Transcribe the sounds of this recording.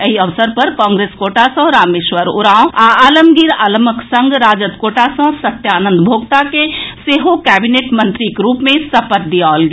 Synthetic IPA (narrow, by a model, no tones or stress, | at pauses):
ɦiɐʋsəɾpɐɾkɔ̃ːŋɡɾeːskoːʈasə̃ɾaːmeːʃʋəɾʊ̰ɾãːw̃aaːləmɡiɾaːlməksɐ̃ŋɡɾaːd͡ʒət̪koːʈasə̃sɐt̪jaːnə̃nd̪bʱoːɡt̪akeseːɦokɛːbineːʈmɐ̃nt̪ɾikɾuːpmẽsɐpət̪̚d̪iɔːlɡe